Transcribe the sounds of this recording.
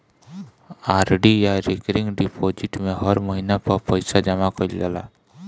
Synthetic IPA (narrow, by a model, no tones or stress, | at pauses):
aːɾɖijaɾɪkɾɪ̃ŋɡɖipʰoːd͡ʒɪʈmẽɦəɾməɦinapɐɾpəɪsad͡ʒəmakəid͡ʒə̰la̰ː